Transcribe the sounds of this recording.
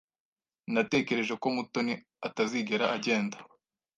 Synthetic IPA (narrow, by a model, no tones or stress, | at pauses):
nate̞ːce̞ɾe̞ʒeko̞muto̞ni | ataziɡe̞ɾaʔaɟe̞ːnda